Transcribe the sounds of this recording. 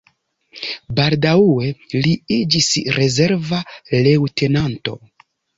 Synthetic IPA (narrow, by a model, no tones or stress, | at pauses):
baldauwe̞liid͡ʒisɾe̞ze̞ɾvale̞wte̞nanto̞̰